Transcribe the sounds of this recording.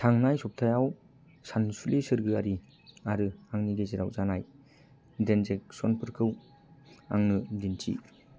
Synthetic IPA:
tʰaŋnajsɔp̚tʰajaw | sansulesɯɾɡɯaɾi | aɾɯaŋniɡeziɾa̰wzanaj | denzek̚sɔnpʰɯɾkʰɯw | a̰ŋnɯdintʰḭ

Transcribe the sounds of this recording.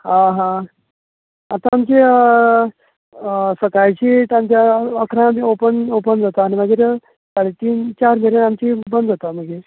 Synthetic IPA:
ɦãɦã | at̪ãːmt͡ɕe | səkajt͡ɕit̪amt͡ɕaəkʰɾãmiopənopənd͡zat̪aːniməɡeɾ | saɽet̪iːnt͡ɕaɾmʱeɾenamt͡ɕibənd̪d͡zat̪aməɡeɾ

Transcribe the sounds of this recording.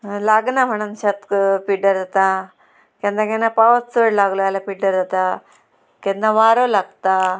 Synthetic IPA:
laɡnam̤əɽ̃unɕat̪piɖəɾd̪at̪a | kẽnd̪ãkẽnapaʋət͡st͡soɽlaɡloalapiɖəɾd̪at̪a | kẽnd̪ãʋaɾolaɡt̪a

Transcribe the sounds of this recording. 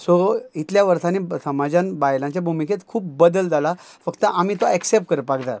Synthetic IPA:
soit̪ljaʋəɾt̪anisəmad͡ʑãnbajlãɲt͡ɕjabʱumiket̪kʰuːpːəd̪əld͡z̪alafəkt̪əʔamiːt̪oɛksep̚ʈ̚kəɾəpakd̪a

